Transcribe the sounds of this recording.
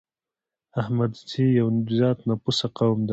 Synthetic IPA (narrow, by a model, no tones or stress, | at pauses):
ahmad̪sijawnzɑt̪napusaqawmd̪a